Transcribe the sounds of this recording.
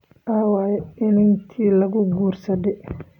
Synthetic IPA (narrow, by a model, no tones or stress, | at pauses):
ʔawaːjɛɪnɪnk̪ʰiːlɐɣʊɡuːrsɐd̪ɛ